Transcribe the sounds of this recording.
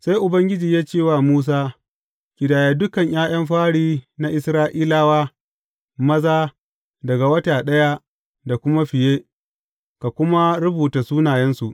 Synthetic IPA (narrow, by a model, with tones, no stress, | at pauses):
sa˦jʔʊ˨bɐ˦ŋɡʲɪ˦d͡ʒiː˨jaː˦t͡ʃeː˦˨waː˨muː˦s̬aː˦ | kʲɪ˨daː˨jaː˨dʊ˦kɐ˨ɲj̰ʔaː˦j̰ɐ˦mɸaː˦ɽiː˦na˦ʔɪ˨sɾaː˦ʔiː˦laː˦waː˦ | mɐ˦zaː˦ | dɐ˨ɡa˨wɐ˦taː˨ɗɐ˦ja˦ | da˨kʷʊ˦ma˦ɸɪ˨jeː˦ | ka˨kʷʊ˦ma˦ɾʊ˦buː˨taː˨suː˦naː˨jɛ˦nsu˨ʔ